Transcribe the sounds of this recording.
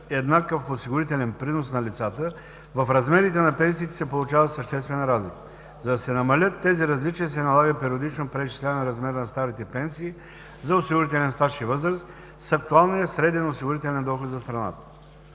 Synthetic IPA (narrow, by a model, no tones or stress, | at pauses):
ɛd̪nakəfosiɡʊɾit̪ɛlʲɛnpɾinosnɐlʲit̪sat̪ə | vɐfɾɐzmɛɾit̪ɛnɐpɛns̬iːt̪ɛ̥sɛpolˠut͡ʃavəsəʃt̪ɛst̪vɛnɾazlik | zɐd̪ɐsɛnɐmɐlʲət̪ːɛziɾɐzlit͡ʃijəsɛnɐlˠaɡəpɛɾiod̪it͡ʃnopɾɛt͡ʃi̥slʲɛnɛɾɐzmɛɾnɐst̪aɾit̪ɛpɛnsiː | zɐosiɡʊɾit̪ɛlɛnst̪aʃivɤzɾəst̪ | sɐk̚t̪ualˠnijəsɾɛd̪ɛnosiɡʊɾit̪ɛlʲɛnd̪ɔxot̪zɐst̪ɾɐna̰t̪ə̥